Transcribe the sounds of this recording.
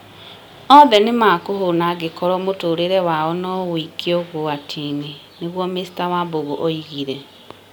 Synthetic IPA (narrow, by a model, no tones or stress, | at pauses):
ɔðɛnemakoɦonaɡekɔɾɔmotoːɾeɾɛwaɔnɔwikʰeoɣoatʰini | neɣwɔmesi̥tawaboɣoʔoiɣiɾɛ